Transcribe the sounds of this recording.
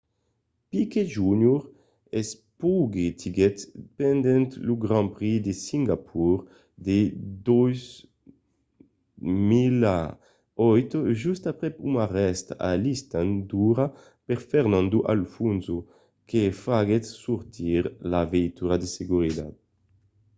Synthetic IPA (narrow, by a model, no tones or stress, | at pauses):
pikeʒuɲuɾ | ɛs | puɡet̪ʰiɡɛt̪pɛnd̪ɛnt̪luɡɾãmpɾid̪esiŋɡapʰuɾ | d̪ed̪ɔjz | mila | ɔjt̪ʒyst̪apɾɛpumaʁɛst̪a̰list̪and̪uɾa | peɾfɛɾnãnd̪uʔa̰lfunzu | kefaɡet̪suɾt̪iɾlavejt̪uɾad̪eseɡuɾid̪a̰d̪̚